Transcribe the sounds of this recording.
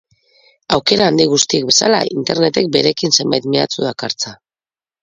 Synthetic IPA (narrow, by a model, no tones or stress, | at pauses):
awke̞ɾaːnd̪iɣ̞ust̪ik̚be̞sa̰la̰int̪e̞ɾne̞t̪e̞k̚be̞ɾe̞kinse̞mbajt̪mea̰t͡suðakaɾt͡sa